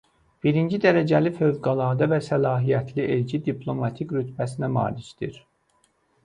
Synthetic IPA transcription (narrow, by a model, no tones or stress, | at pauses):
b̥iɾind͡ʒid̪æɾæd͡ʒælifø̞vɡɑlˠɑːd̪ɑvæsælɑːɦijæt̪ʰliʔeld͡ʒid̪iplˠo̞mɑt̪ʰikɾyt̪bæsinæmɑ̰ːliʃd̪̥ḭɾ